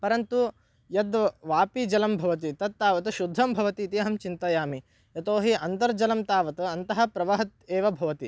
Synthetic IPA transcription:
pɐɾɐnt̪u | jɐd̪ʋaːpid͡ʒɐlɐmbʱɐʋɐt̪̬it̪ɐt̪̚t̪ːaːʋɐt̪ɐʃud̪ʱːɐmbʱɐʋɐt̪it̪iɐɦɐmt͡ʃint̪ɐjaːmi | jɐt̪oːɦiʔɐnt̪ɐɾd͡ʒɐlɐmt̪aːʋɐt̪ɐɐnt̪ɐɦɐ̆pɾɐʋɐɦɐt̪̚eːʋɐbʱɐʋɐt̪i

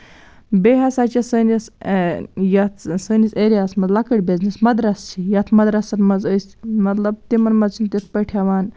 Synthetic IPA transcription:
beɦɐsaːt͡ʃisənis | jɐt̪səniseːɾijaːsmɐt̪lɐkəɽʲbeznismɐd̪ɾɐst͡ʃʰijɐt̪ʰmɐd̪ɾɐsɐt̪mɐzəsʲmɐt̪lɐb̚t̪imɐnmɐt͡ʃʰint̪it̪̚pɐʈʰjaʋaːn

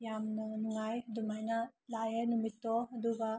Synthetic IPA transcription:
jamnanuŋajd̪umajnalajanumit̪ːɔɦɐd̪uba

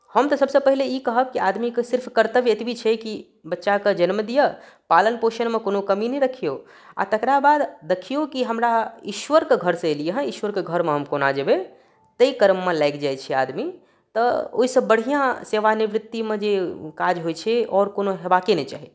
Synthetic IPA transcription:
həmt̪ɔsəbsə̃pəɦileikəɦəb̚kiad̪mikesɪɾpʰkəɾt̪əbet̪bit͡ʃʰɛki | bətːʃaked͡ʒənməd̪ijə | palənpoʃənmekonokəminɛɾəkʰijo | a̰t̪əkɾabad̪ːekʰijokiɦəmɾaiʃʋəɾkeɡʱəɾsə̃elijeɦɛ̃iʃʋəɾkeɡʱəɾmeɦəmkonad͡ʒəbe | t̪əikəɾəmːelaɪkd͡ʒajt͡ʃʰɛa̰d̪mi | t̪əo̰ɦisəbːəɽ̤ijãseʋaniʋɾɪt̪ːimẽd͡ʒekad͡ʒɦojt͡ʃʰɛɔɾkonoɦebakenɛt͡ʃa̰ɦi

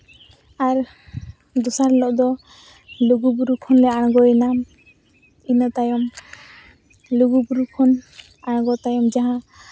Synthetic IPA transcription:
aɾ | d̪usaɾlɔʔd̪ɔ | luɡubuɾukʰɔnlɛaɽ̃ɡɔɛnam | inɔt̪ajɔm | luɡubuɾukʰɔn | aɽ̃ɡɔt̪ajɔmd͡ʒaɦã

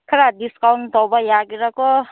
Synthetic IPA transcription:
kʰaɾadiskawnt̪ɔbajaɡiɾako

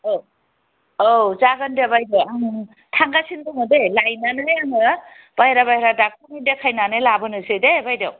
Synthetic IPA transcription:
o | ozaɡandabajdawaŋ | tʰaŋɡasʰindɔnɯdelajnanɯjaŋɯ | b̥ajɾabajɾadakʰanendakʰajnanɯjlabɯnɯsedebajdaw

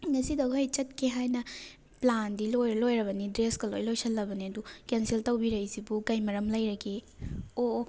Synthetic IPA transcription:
ŋɐsidɐwɐjt͡ʃɐt̚keɦajnɐ | plandilojɾlojɾɐβɐnidɾeskɐlo̰jlojsʰɐlːɐbɐniɐdukensiltɐwbiɾɐjsibukɐjmɐɾɐmlɐjɾɐkeo

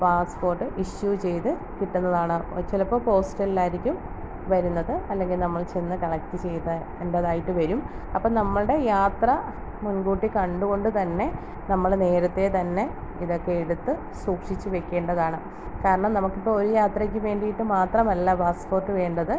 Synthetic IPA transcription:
paːspo̞ːrʈːɨʔiɕjut͡ɕe̞jt̪ɨ | kiʈːunːɐðaːɳɨ̰t͡ɕːelɐpːoːpo̞ːsʈɐlilaːjiɾikʲːum | ʋɐɾunːɐðɨɐlːe̞ŋɡilnɐmːɐɭt͡ɕe̞nːɨkɐɭɐk̚t̪ːit͡ɕe̞jt̪ɐ | eɳɖɐðaːjiʈːɨʋɐɾum | ɐpːoːnɐmːɐɭɨɽe̞jaːt̪rɐ | munɡuːʈːikɐɳɖuɣo̞ɳɖɨt̪ɐnːe̞ | nɐmːɐɭne̞ːɾɐt̪ːe̞t̪ɐnːe̞ | iðo̞kːe̞eɽut̪ːɨ | suːkʂit͡ɕːɨʋe̞kʲːe̞ːɳɖɐðaːɳɨ | kaːɾɐɳɐmnɐmukːipːo̞ːoɾujaːt̪rɐkʲːumʋe̞ːɳɖijiʈːɨmaːt̪rɐmɐlːɐpaːspo̞ːrʈːɨʋe̞ːɳɖɐðɨ

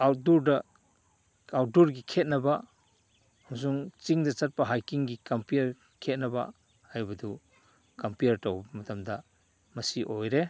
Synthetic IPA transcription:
aw̚duɾdɐ | aw̚duɾɡikʰet̚nɐbɐ | ɐmɐs̬uŋt͡ʃiŋdɐt͡ʃɐt̚pɐɦajkiŋɡikɐmpiɾ | kʰet̚nɐbɐ̰ | ajbɐdu | kɐmpijɐɾtɐwbɐmɐtɐmdɐ | mɐsiʔojɾe

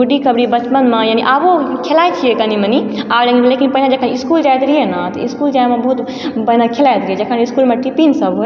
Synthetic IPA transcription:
uɖikʰəbɽibət͡ʃpənmẽjaːniʔabokʰelajt͡ʃʰijekəniməniabd͡ʒaɡilekinpəɦnad͡ʒɐkʰəniskuːld͡ʒajt̪ɾienat̪ɐiskuːld͡ʒajmẽbɐɦut̪ | pəɦinakʰelajt̪ɾied͡ʒəkʰəniskuːlmẽʈipinsəb

